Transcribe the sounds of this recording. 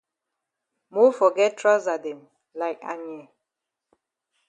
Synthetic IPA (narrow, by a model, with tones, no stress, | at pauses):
mo˦fɔ˨ɡɛ˦t̚tʰɹɔ˦za˨dɛ̃˨m | la˨ɪka̰˨njɛ˨